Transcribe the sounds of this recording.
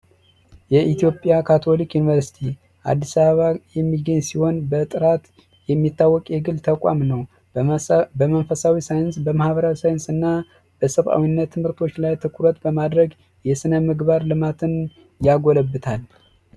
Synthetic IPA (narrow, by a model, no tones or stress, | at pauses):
jɛʔit̪ijo̞pʼjakʰat̪ʰo̞likjunivəɾsi̥t̪ʰi | ʔa̰d̪ːisaββajɛmːiɡəɲsiho̞nbət̪ʼɨɾat̪ | jɛmːit̪ːawːɔkʼjɛɡɨlt̪ʰəkʼa̰mnəw | bəmənfəsawisajɨnsbəmahbəɾawisajɨnsɨnːa | b̥əsəβʔa̰winːət̪ʰːɨmhɨɾt̪ʰo̞t͡ʃːlajt̪ʰɨkʰuɾət̪bəmad̪ɾəɡ | jɛsɨnəmɨɡbaɾlɨmat̪ʰɨn | jaɡoləbːɨt̪ʰal